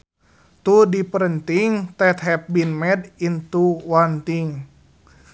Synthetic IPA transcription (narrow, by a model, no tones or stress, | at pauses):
t̪udipəɾənt̪iŋt̪ɛt̪ɦɛp̚binmɛdint̪uwant̪iŋ